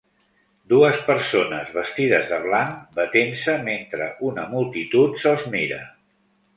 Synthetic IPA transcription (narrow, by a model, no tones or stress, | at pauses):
d̪uəspəɾsonəzβəst̪iðəzðəβ̞laŋbət̪ensəment̪ɾə̰ʔunəmulˠt̪it̪ut̪səlˠzmiɾə̰